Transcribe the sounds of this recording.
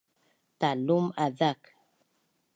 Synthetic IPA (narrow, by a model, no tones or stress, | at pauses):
talumaðak